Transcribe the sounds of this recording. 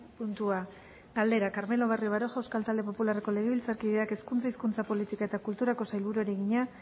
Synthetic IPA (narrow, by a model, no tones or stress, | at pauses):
punt̪ua | ɡald̪e̞ɾakaɾme̞lo̞β̞arioβ̞aɾo̞ʝewskalt̪ald̪e̞populareko̞le̞ɣ̞e̞βilt͡saɾkiðe̞ake̞skunt͡saiskunt͡sapo̞lit̪ikae̞t̪akult̪uɾako̞sajlβuɾueɾeɣiɲa